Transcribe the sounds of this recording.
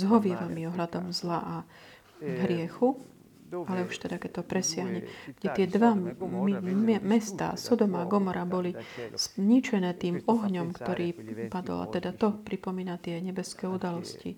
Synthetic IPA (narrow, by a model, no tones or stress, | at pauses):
zɦɔʋɪɛʋamimɔɦlad̪ɔmzlaʔa | ɦɾɪɛxu | alɛuʃt̪ɛd̪akɛc̚t̪ɔpɾɛsɪaɦɲɛɡ̥ɟɛt̪ɪɛd̪ʋaimɛst̪a̰ːsɔd̪ɔmaːɡɔmɔɾabɔlisɲit͡ʃɛnɛːt̪iːmɔɦɲɔmkt̪ɔɾʔiːpad̪ɔ̰la̰t̪ɛd̪at̪ɔpɾipɔmiːnat̪ɪɛɲɛbɛskɛːud̪alɔscḭ